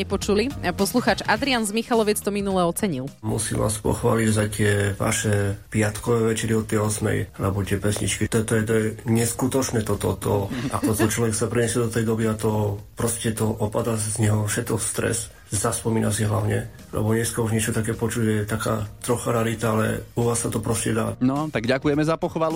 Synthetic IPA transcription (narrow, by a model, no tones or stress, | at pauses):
ɛpɔt͡ʃulipɔsluxaːt͡ʃad̪ɾianzmixalɔʋit͡st̪ɔminulɛɔt͡sɛɲilˠmṵsḭʋa̰ːspɔ̰xʋa̰ːliɟzac̚t̪ɪɛʋa̰ʃɛpɪat̪kɔʋɛːʋɛt͡ʃɛɾiɔt̪ːɛjɔsmɛ̰jlɛbɔt̪ɪɛpɛsɲḭt͡ʃkit̪ɛt̪ɔjɛt̪ɔjɛɲɛskut̪ɔt͡ʃnɛt̪ɔt̪ɔt̪ɔʔat̪ɔt̪ɔt͡ʃlɔʋɛksapɾiɲɛsjɛd̪ɔt̪ɛjd̪ɔbiat̪ɔpɾɔscɛt̪ɔʔɔpad̪azɲɛɦɔfʃɛt̪kɔst̪ɾɛ̰s | zaspɔmiːnasiɦlaʊɲɛ | lɛ̰bɔɲɛskauʒɲɪɛt͡ʃɔt̪akɛːpɔt͡ʃuɟʒɛɛt̪aka̰ːt̪ɾɔxaɾɛalit̪aalɛ̰uʋaːsat̪ɔpɾɔscɛd̪aːnɔt̪aɡɟakujɛmɛzapɔxʋalu